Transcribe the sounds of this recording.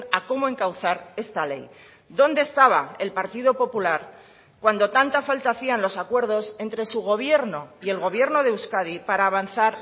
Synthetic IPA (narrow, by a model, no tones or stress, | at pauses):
ako̞moe̞ŋkawθaɾe̞st̪ale̞̰j | d̪õ̞nd̪est̪aβaelpaɾt̪iðo̞po̞pulaɾ | kwand̪o̞t̪ant̪afalt̪aθianlo̞sakwe̞ɾðo̞se̞nt̪ɾe̞suɣ̞o̞β̞je̞ɾno̞ie̞lɣo̞β̞je̞ɾno̞ð̞e̞wskaðipaɾaːβan̟θaɾ